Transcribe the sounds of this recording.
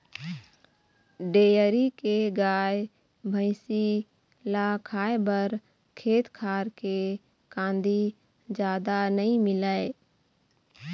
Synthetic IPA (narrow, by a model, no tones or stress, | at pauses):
ɖeːjəɾikeɡaːj | bʱə̃ɪsi | lakʰaːebəɾ | kʰeːt̪kʰaːɾke | kãːnd̪i | d͡ʒjaːd̪anəɦĩmɪləe